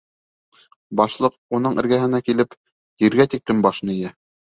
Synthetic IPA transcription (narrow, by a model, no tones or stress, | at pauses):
bɑʃlˠɤqunɤɴɘ̆ɾɡæɦɘ̆nækilɘp | jiɾɡæt̪iklɘmbɑʃnɤ̆ijæ